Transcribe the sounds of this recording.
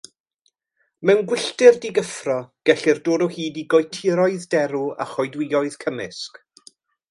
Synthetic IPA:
mɛwnɡwɪɬtɪrdiɡəfrɔɡ̥ɛɬɪrdoːdɔhiːdiɡɔjtʰɪɾɔɨðdɛɾua̰χɔjdwɪɔɨðkʰəmɪsk

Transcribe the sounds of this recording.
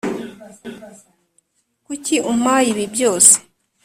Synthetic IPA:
kuciʔum̥ajiβibjo̞ːse̥

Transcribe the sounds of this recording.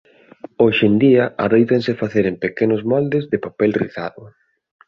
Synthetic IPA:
oʃend̪iɐʔa̰ðejt̪ensɪfaθeɾempekenʊzmɔld̪ɪzðɪpapɛlrḭθa̰ðʊ

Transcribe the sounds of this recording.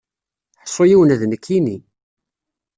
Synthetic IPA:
ħsˤːojiwənæðnəkʰːini

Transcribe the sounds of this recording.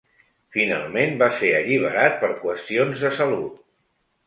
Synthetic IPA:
fina̰lˠmenbaseɾəʎiβ̞əɾat̪̚pəɾkwəst̪ionzðəsəlut̪̚

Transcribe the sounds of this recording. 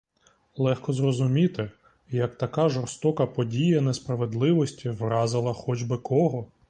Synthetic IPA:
lˠɛxkɔzrɔzʊmʲit̪ɪ | jɐk̚t̪ɐkɑʒɔrst̪ɔkɐpɔdʲijɐnespɾɐʋed̪lˠɪʋɔsʲtʲiʋrɑzɪlˠɐxɔd͡ʒbɪkɔɦɔ

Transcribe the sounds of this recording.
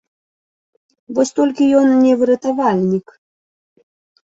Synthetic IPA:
vɔsʲt̪ɔlʲkʲijɔnnʲɛvɨɾɐt̪avalʲnʲik

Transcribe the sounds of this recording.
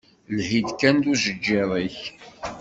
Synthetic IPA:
lhid̪kænd̪uʒəd͡ʒːiɾˤiç

